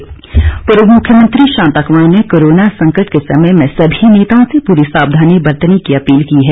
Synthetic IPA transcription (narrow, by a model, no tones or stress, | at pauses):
pɐɾəmʊkʰjəmə̃nt̪ɾiʃãːnt̪aːkmaːɽ̃nekoːɾoːnasɐ̃ŋkəʈkesɐməjmẽsɐbʱineːt̪aõsepuːɾisaːbd̪ʱaːnibɐɾt̪ənikiɐpiːlkiɦɛː